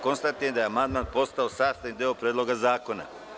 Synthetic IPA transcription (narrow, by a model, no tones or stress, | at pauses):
konst̪at̪ijemd̪ajeamand̪maːnpo̞st̪aosaːst̪anind̪eopɾʲeːd̪lo̞ɡazaːko̞na̰